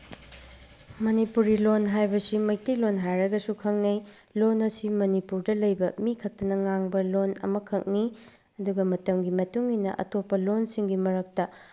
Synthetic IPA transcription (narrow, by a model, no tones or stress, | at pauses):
mɐnipuɾɡilonɦajbɐsimɐjtijlonɦajɾɐɡɐsukʰɐŋnɐj | lonɐsimɐnipuɾdɐlɐjbɐmikʰɐk̚tɐnɐŋaŋbɐlonɐ̰mɐkʰɐk̚ni | ɐduɡɐmɐtɐmɡimɐtuŋinɐ̰ʔɐ̰tʰopːɐlonsiŋɡimɐɾɐk̚tɐ